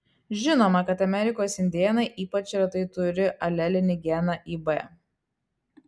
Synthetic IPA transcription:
ʒʲɪnoːmɐkɐt̪ɐmʲɛɾʲɪkoːsɪnʲd̪ʲiɛnɐɪʔiːpɐt͡ʃʲɪɾɐt̪ɐɪt̪ʊɾʲɪʔɐlʲɛlʲɪnʲɪɡʲɛnɐʔiːbɛ

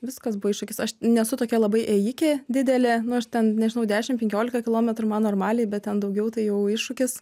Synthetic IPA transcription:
ʋʲɪskɐsbʊʋɐɪʃʊkʲɪsɐʃnʲɛsʊt̪oːkʲiɛlˠɐbɐɪʔeːjɪkʲeːd̪ʲɪd̪ʲɛlʲenʊɐʃt̪ʲɛnnʲɛʒʲɪnɐʊd̪ʲæːʃʲɪmpʲɛŋkʲoːlʲɪkɐkʲɪlˠoːmʲɛt̪ɾʊmɐnoːrmɑːlʲeɪbʲɛt̪̚tʲɛnd̪ɐʊɡʲɛʊt̪ɐɪjɛʊɪʃʊkʲɪs

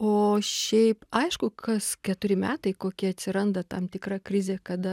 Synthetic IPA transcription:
oːʃʲɛɪpɐɪʃkʊkʰɐskʲɛt̪ʊɾʲɪmʲæːt̪ɐɪkoːkʲiɐt̪ʲsʲɪɾɐnd̪ɐt̪ɐmt̪ʲɪkɾɑkɾʲɪzʲeːkɐd̪ɐ

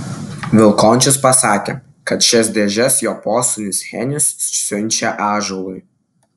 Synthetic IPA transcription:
ʋʲɪlˠkoːnʲt͡ʃʲʊspɐsɑːkʲḛː | kɐt̪ʃʲɛsʲd̪ʲeːʒʲɛsjoːpoːsʊnʲɪshʲɛnʲʊssʲʊnʲˑt͡ʃʲɛʔɑːʒoːlˠʊɪ

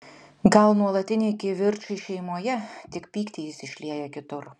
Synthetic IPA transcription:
ɡɐlˠnuɔlˠɐt̪ʲɪnʲɛɪkʲɪʋʲɪɾʲt͡ʃɐɪʃʲɛɪmuɔjɛt̪ʲɪkpʲiːkt̪ʲijɪsɪʃʲlʲiɛjɛkʲɪt̪ʊɾ

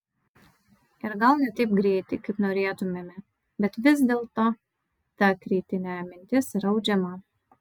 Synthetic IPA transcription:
iɾɡalˠnʲit̪ʲip̚ɡɾiːt̪ʲikɨpnuɾʲiɛt̪umʲɛmʲɛ | bʲɛt̪vʲɪzd̪ʲɛlˠt̪a | t̪ækɾiːt̪ʲinʲæːmʲinʲt̪ʲisɾawd͡ʒʲɛmaː

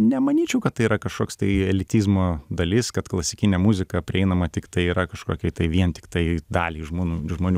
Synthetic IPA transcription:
nʲɛmɐnʲiːt͡ʃʲɛʊkɐt̪t̪ːɐɪiːɾɐkɐʃkoːkst̪ɐɪɛlʲɪt̪ʲiːzmoːd̪ɐlʲɪskɐt̪klˠɐsʲɪkʲɪnʲɛmuzʲɪkɐpʲɾʲɪɛɪnɐmɐt̪ʲɪkt̪ɐɪiːɾɐkɐʃkoːkʲɛt̪ɐɪʋʲiɛnt̪ʲɪ̥kt̪ɐɪd̪ɑːlʲiːʒmuːnuːʒmoːnʲuː

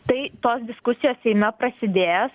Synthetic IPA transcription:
t̪ɐɪt̪oːsd̪ʲɪskʊsʲɪjoːssʲɛɪnɐpɾɐsʲɪd̪ʲeːjɛs

